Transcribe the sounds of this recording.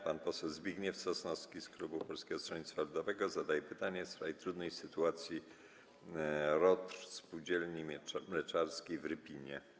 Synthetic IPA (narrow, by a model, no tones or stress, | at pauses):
panpɔsɛwzbʲiɡɲɛfsɔsnɔskʲisklubupɔlskʲɛɡɔst̪ɾɔɲit̪sfalud̪ɔvɛɡɔzad̪ajɛpɘt̪aɲɛsɾajt̪ɾud̪nɛjsɘt̪uat̪sʲji | ɾɔt̪ɾspuwd͡ʑɛlɲimlɛt͡ʂaɾskʲejvɾɘpʲiɲjɛ